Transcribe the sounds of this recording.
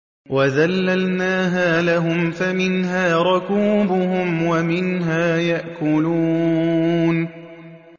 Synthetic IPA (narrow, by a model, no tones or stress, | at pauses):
waðalːalnaːɦaːlaɦʊmfamɪnɦaːɾˤʊkuːbʊhʊmwamɪnɦaːjaʔkʊluː | n